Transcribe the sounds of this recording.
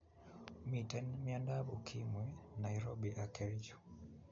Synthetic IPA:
mitɛnmiandaɓukʰimwɛnaiɾɔɓiʔakɛld͡ʒu̥

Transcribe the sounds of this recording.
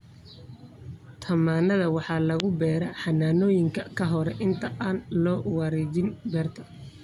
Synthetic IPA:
t̪ʰɐmaːnɐðɐwɑħɑːlɐɣʊbɛːɾɐħɑnaːnɔːjɪŋkʰɐkʰɐɦɔɾɛʔɪnt̪ʰɐʔaːnlɔːwɑɾɛd͡ʒɪnbɛːrt̪ʰɐ̥

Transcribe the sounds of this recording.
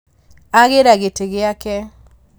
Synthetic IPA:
aɣeɾaɣeteɣɪakɛ

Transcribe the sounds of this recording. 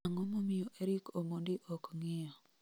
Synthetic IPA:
aŋɔmomɪjɔʔeɾikomondiʔɔkŋɪjɔ

